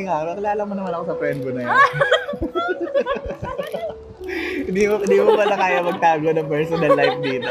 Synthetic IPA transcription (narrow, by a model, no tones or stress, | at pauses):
ŋaɐkɪlaːlɐmʊnɐmanɐkosɐfɾɛnd̪bonɐjan | ɪnd̪imɪnd̪iːmopɐlɐkaːjɐmɐɡ̚t̪aːɡonɐŋpɛɹsonɐlːajf̚d̪iːt̪o